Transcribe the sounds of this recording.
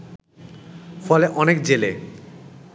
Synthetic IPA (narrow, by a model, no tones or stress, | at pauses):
fɔleʔɔnek̚d͡ʑele